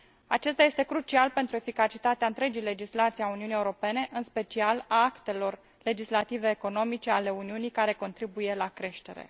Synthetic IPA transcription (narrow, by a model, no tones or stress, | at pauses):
a̰t͡ʃe̞st̪aje̞st̪e̞kɾut͡ʃialpe̞nt̪ɾue̞fikat͡ʃit̪at̪eaɨnt̪ɾe̞d͡ʒijle̞d͡ʒislat̪sijauniunijeuɾo̞pe̞ne̞ʔɨnspe̞t͡ʃialaakt̪e̞lo̞r | le̞d͡ʒislat̪ive̞ːko̞no̞mit͡ʃe̞ale̞uniunijkaɾe̞ko̞nt̪ɾibuje̞lakɾe̞ʃt̪e̞̰ɾḛ